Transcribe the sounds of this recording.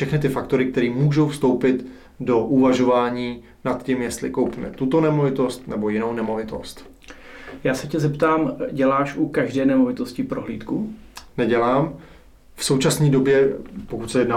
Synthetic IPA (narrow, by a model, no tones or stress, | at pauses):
ʃɛxnɪt̪ɪfakt̪o̞ɾɪk̚t̪ɛɾiːmuːʒo̞wfst̪o̞wpɪt̪ | do̞ʔuvaʒo̞vaːɲiː | nat̪cimjɛst̪lɪ̰ko̞wpimɛ̰t̪ut̪o̞nɛmo̞vɪt̪o̞st̪nɛbo̞jɪnownɛmo̞vɪt̪o̞̰st̪ | jaːsɛcɛzɛpt̪aːmɟɛlaːʃʔukaʒdɛːnɛmo̞vɪt̪o̞scɪpɾoɦliːt̪ku | nɛɟɛlaːm | fso̞wt͡ʃasniːdo̞bjɛpokut̪sɛjɛdna